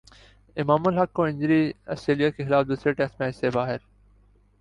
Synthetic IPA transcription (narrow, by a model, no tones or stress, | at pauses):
ɪmaːməlɦɐkːõːɪ̃ɲd͡ʑɾiːɐsʈɾeːlijakʰeːxɪlaːfd̪uːsɾeʈeksmẽːɪsebaːɦɪɾ